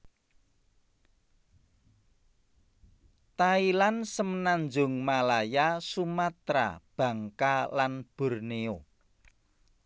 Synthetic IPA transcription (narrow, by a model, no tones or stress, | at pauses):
t̪ailansəmənanɲd͡ʒʊ̤ŋmalajasumat̪ɾa̰b̥ä̤ŋkalanb̥o̤rneo